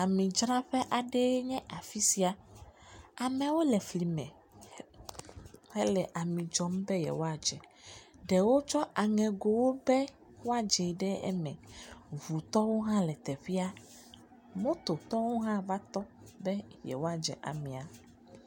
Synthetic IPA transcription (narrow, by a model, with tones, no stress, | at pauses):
a˨mĩ˨d͡ʒɾa˦ɸɛ˦ʔa˨ɖɛ˦ɲɛ̃˦ʔa˨fi˦si˦a˨ | a˨mɛ̃˨wo˦lɛ˨fli˨mɛ̰̃˨ | hɛ˦lɛ˨ʔa˨mĩ˨d͡ʒɔ˦m˦bɛ˦jɛ̰˨wo˦a˨d͡ʒɛ˨ɖɛ˨wo˦t͡ʃɔ˦ʔa˨ŋɛ̃˨ɡo˨wo˦bɛ˦ | wo˦a˨d͡ʒɛ˨ɖɛ˦ɛ̰˦mɛ̃˨vu˨t̪ɔ˦wo˦ɦã˦lɛ˨t̪ɛ˨ɸi˦a˦ | mõ˦t̪o˨t̪ɔ˦wo˦ɦã˦va˦t̪ɔ˦bɛ˦jɛ̰˨wo˦a˨d͡ʒɛ̰˨ʔa̰˨mĩ˨a˨